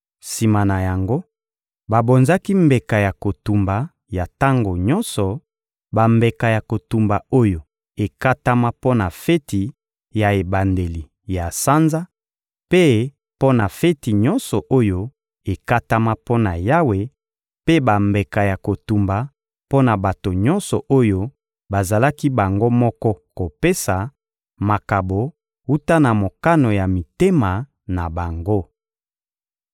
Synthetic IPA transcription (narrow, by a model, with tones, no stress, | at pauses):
si˨ma˨na˨ja˨ŋɡo˦ | ba˨bo˨nza˦ki˦mbe˨ka˨ja˨ko˨tu˨mba˨ | ja˨ta˦ŋɡo˨ɲɔ˦nsɔ˨ | ba˨mbe˨ka˨ja˨ko˨tu˨mba˨o˦jo˨ | e˨ka˦ta˦ma˦po˦na˨fe˦ti˨ | ja˨e˨ba˨nde˨li˨ | ja˨sa˦nza˦ | pe˦ | po˦na˨fe˦ti˨ɲɔ˦nsɔ˨ʔo˦jo˦ | e˨ka˦ta˦ma˦po˦na˨ja˦we˨ | pe˦ba˨mbe˨ka˨ja˨ko˨tu˨mba˨ | po˦na˨ba˨to˨ɲɔ˦nsɔ˨ʔo˦jo˦ | ba˨za˨la˦ki˦ba˨ŋɡo˦mɔ˦kɔ˦ko˨pe˦sa˨ | ma˨ka˨bo˨ | u˦ta˦na˨mo˨ka˦no˨ja˨mi˨te˦ma˨ | na˨ba˨ŋɡo˦